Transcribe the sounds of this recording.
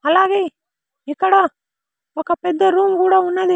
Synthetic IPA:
ɐlːaːɡe | ikːɐɽa | ɔkːɐpɛd̪ːɐɾuːmkuːɽaunːɐd̪i

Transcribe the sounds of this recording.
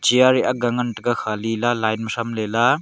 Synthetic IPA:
d͡ʒiaɾiʔaɡaŋɐntɐɡakʰalilalajnmɐsamlela

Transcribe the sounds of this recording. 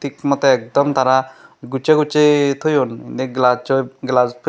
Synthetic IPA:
t̪ikmɔt̪eːk̚d̪ɔmt̪ʰaɾaɡut͡ʃeɡut͡ʃet̪ʰojonḭnd̪eɡlat͡ʃɔɡlaspʰ

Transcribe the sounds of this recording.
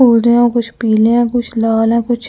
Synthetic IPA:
uːld̪eãkʊt͡ʃʰpiːleãːkʊt͡ʃʰlaːlɛ̃ːkʊt͡ʃʰ

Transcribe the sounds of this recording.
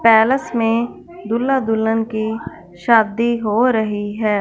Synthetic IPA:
pɛːləsmẽ | d̪ʊlːad̪ʊlːənki | ʃaːd̪iɦoɾəɦiɦɛː

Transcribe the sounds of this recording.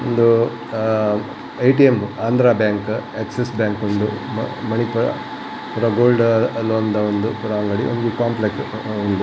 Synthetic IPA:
ond̪u | ɐjʈiemaːnd̪ɾaːbjaːŋkeksesbjaːŋkond̪ummɐɳipuɾɐ̰ | puɾɐɡoːlɖloːnd̪ɐond̪upuɾɐʋɐŋɡɐɽiond̪ukaːmpleksond̪u

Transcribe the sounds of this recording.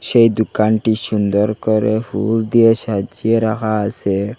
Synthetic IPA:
ʃejd̪ukanʈiʃund̪ɔɾkɔɾefṵld̪ijesad͡ʒieɾakaːse

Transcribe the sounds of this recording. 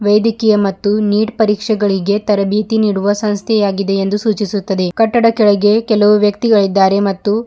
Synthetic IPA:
ʋɐjd̪ikijɐmɐt̪ːuniːʈpɐɾiːkʂɛɡɐɭiɡe̞t̪ɐɾɐbʱiːt̪iniːɽuʋɐsɐ̃ñst̪ʰjɛjaːɡid̪e̞end̪usuːt͡ʃisut̪ːɐd̪e̞kɐʈːɐɽɐkɛɭɐɡe̞kɛlɐʋuʋjɐkt̪iɡɐɭid̪ːaːɾe̞mɐt̪ːu

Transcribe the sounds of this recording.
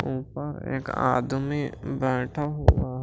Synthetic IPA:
uːpəɾḛːka̰ːd̪mibɛːʈʰaɦoːɡaːɦ

